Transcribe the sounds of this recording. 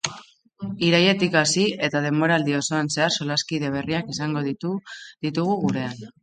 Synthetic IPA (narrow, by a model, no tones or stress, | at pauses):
iɾaje̞t̪ikasie̞t̪að̞e̞mbo̞ɾald̪io̞so̞anse̞aɾso̞laskiðe̞β̞e̞riakisaŋɡo̞ðð̥it̪uɣ̞uɣuɾe̞an